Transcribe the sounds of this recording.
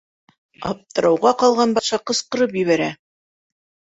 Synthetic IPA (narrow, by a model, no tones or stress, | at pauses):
ɑ̰p̚t̪ɤ̆ɾɑwʁɑqɑlˠʁɑnbɑʃɑqɤ̆sqɤ̆ɾɤp̬jɘ̆βæɾæ